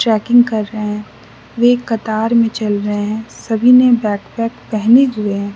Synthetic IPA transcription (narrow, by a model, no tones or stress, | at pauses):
ʈɾɛːkɪ̃ŋɡkɐɾːɐɦeɦɛ̃ | ʋekɐt̪aːɾmẽt͡ʃɐlɾɐɦeɦɛ̃sɐbʱinẽbɛːkpɛːkpɛɦneɦʊeɦɛ̃ː